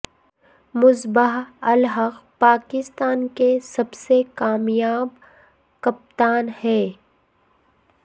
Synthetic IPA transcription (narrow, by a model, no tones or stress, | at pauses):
mʊzbəɦɐlɦəqpaːkɪst̪aːnkesɐbsekaːmjaːb | kɐp̚t̪aːnhɛː